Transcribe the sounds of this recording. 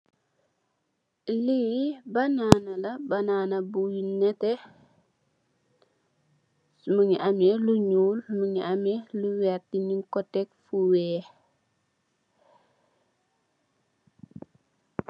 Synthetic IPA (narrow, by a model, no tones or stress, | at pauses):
libananalabananabujinɛtɛ | muɲiʔamɛluɲuːlmuɲiamɛluwɛɾtiniŋkɔtɛk̚fuwɛː